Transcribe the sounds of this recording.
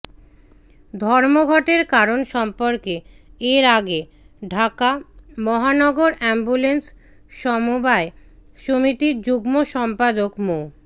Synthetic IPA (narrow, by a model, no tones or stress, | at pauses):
d̪ʱɔɾmoɡʱɔʈeɾkaɾonʃɔmpoɾke | eɾaɡe | ɖʱakamɔɦanɔɡoɾɛmbulens | ʃɔmubaeʃomit̪iɾd͡ʑuɡmoʃɔmpad̪okmo